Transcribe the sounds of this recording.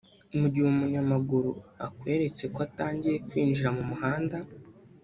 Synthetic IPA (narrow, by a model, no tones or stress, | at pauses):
umuɟiwumuɲamaɡuɾṵakwe̞ːɾe̞t͡se̞koataːɲɟije̞kwiːnd͡ʒiɾamumuhaːnda